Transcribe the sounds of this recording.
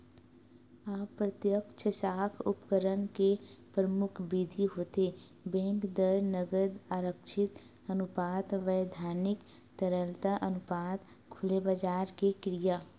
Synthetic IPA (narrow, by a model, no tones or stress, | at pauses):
aːpːɾət̪jəkt͡ʃʰəsaːkʰʊpkəɾənkepɾəmʊkʰbid̪ʱiɦoːt̪e | bɛ̃ŋkd̪əɾnəɡəd̪aːɾəkʃʰɪt̪ | ənʊpaːt̪ʋəjd̪ʱaːɾnɪk | t̪əɾəlt̪aʔənʊpaːt̪ | kʰʊlebad͡ʒaːɾkekɾijaː